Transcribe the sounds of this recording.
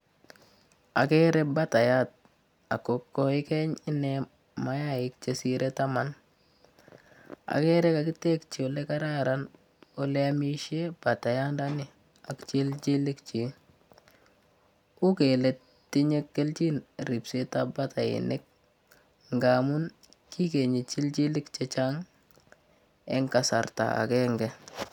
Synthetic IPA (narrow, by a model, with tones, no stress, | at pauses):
a̰˨kɛ˦ɾɛ˦ba˦ta˨ja˦t̚ | a̰˨ko˨kːɔ˦ɪ˦kɛ˦ɲɪ˦nɛ | ma˦ja˦ɪ˦k̚t͡ʃe˦si˦ɾʔe˦ta˦ma˦n | a̰˨kɛ˦ɾɛ˦ka˨ki˦te˦kt͡ʃi˨o˨le˦ka˦ɾa˦ɾa˦n | o˦le˦a˦mi˦ʃe˦b̥a˨ta˨ja˦nda˦nɪ˨ | a˨kt͡ʃi˦lt͡ʃi˦lɪ˦kt͡ʃi˨ | ʊ˦ke˨lɛ˨ | tːi˦ɲe˦kːe˦lt͡ʃi˦nɾi˨pse˦ta˦ba˦ta˨ɪ̰˨nɪ˦k̚ | ŋɡa˨mu˦n | kʰi˦ke˨ɲi˨t͡ʃi˦lt͡ʃi˦lɪ˦kt͡ʃe˦t͡ʃaŋ | ɛ˦ŋka˨sa˨ɾta̰˨a̰˨kɛ˦ŋɡɛ˦